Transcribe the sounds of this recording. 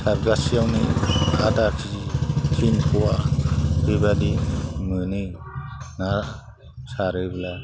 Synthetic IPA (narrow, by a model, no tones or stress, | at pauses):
sʰaɾɡasijawniatakʰikʰinpʰuwabibadimɯni | na | saɾɯbla